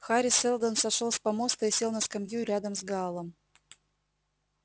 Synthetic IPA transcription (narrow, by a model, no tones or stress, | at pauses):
xaɾʲɪsɛlˠd̪ənsɐʂolˠspɐmost̪əɪsʲelˠnəskɐmʲjuɾʲad̪əmzɡalˠəm